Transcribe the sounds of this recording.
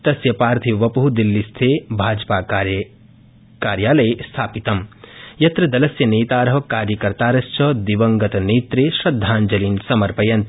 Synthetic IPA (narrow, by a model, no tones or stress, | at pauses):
t̪ɐsjɐpaːɾt̪ʰiʋɐpɐɦud̪ilːist̪ʰeːbʱaːd͡ʒpaː | kaːɾjaːlɐjest̪ʰaːpit̪ɐmjɐt̪ɾɐd̪ɐlɐsjɐneːt̪aːɾɐɦɐkaːɾjɐkɐɾt̪aːɾɐst͡ʃʰɐd̪iʋɐŋɡɐt̪ɐneːt̪ɾeʃɾɐd̪ʱːaːnd͡ʒɐliːnsɐmɐɾpɐjɐnt̪